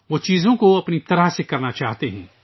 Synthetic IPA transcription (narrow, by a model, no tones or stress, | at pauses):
ʋoːt͡ʃiːzõkoɐpnit̪ɐɾəɦsekɐɾnat͡ʃaːɦt̪eɦɛ̰̃ː